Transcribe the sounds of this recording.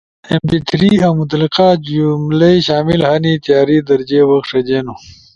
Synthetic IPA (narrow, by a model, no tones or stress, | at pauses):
empit̪ʰɾiamut̪liqad͡ʑumlejɕaːmilhɐnit̪jaːɾid̪ɐɾd͡ʑewɐxʂɐd͡ʑeːno